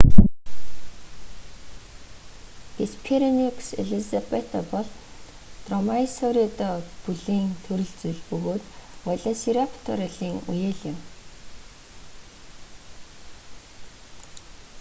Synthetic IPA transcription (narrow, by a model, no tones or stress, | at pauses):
t̪espʰeɾiniksḛɮizapet̪ɔpɔɮ | t̪rɔmaisɔɾit̪ɔpuɮiːŋt̪ʰɵɾɵ̆ɮt͡suɮpɵɣoːt̪ɔɮasiɾapʰt̪ʰɔɾaɮiːŋujeːɮɪ̆m